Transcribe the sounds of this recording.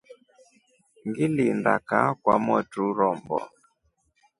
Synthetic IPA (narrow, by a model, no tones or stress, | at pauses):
ŋɡilinda̰kakwamɔtuɾɔmbɔ̰